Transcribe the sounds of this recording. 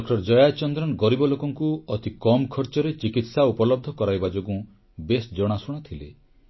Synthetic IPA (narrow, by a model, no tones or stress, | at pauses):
kʈɔɾd͡ʒɔjat͡ʃɔnd̪ɾɔnɡɔɾibɔlokɔŋkuɔt̪ikɔmɔkʰɔɾt͡ʃɔɾet͡ʃikit̪saupɔlɔb̚d̪ʱɔkɔɾajbad͡ʒoɡũ | besd͡ʒɔɽ̃asuɽ̃ɔt̪ʰile